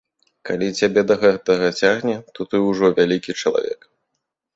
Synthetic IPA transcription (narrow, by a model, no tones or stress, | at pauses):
kalʲit͡sʲabʲɛd̪ɐɣɛt̪ɐɣɐt͡sʲaɣnʲɛt̪ɔt̪ɨwʐɔvʲalʲikʲit͡ʂɐlˠa̰vʲɛ̰k